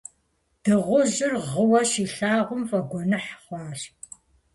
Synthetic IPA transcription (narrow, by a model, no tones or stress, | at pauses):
d̥ɨʁʷʊʑɪrʁəwɐʃiːɬaːʁʷʊmfɐɡʷɔnɨħχʷɑːɬ